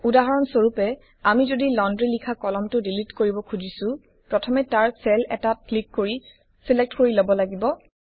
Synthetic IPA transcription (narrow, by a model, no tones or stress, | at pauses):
udaɦaɹɔnsoɹupɛ | amizodilɔndɹilikʰakɔlɔmtʊdilitkoɹibɔkʰuzisʊ̃ | pɹɔtʰɔmɛtaɹsɛlɛ̰taklikːoɹi | silɛk̚tkoɹilobɔlaɡibɔ